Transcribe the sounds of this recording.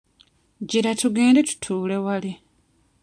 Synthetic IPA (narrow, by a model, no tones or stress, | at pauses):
ɟiɾatuɡe̞ːndetu̥tʰuːle̞wali